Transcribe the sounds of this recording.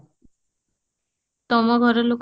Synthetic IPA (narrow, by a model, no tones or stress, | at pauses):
t̪ɔmɔɡʱɔɾɔlok